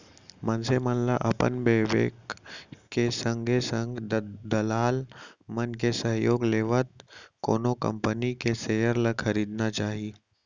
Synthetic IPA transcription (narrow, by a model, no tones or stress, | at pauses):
mɐnsemənla̰ʔɐpə̰nbeːʋḛːkkesə̃ŋɡʱesə̃ŋɡd̪ɐlaːlmənk̬esɐɦjoːɡleːʋət̪̚ko̰ːnokɐ̰̃mpənikesejəɾləɐɾiːd̪nat͡ʃaːɦiː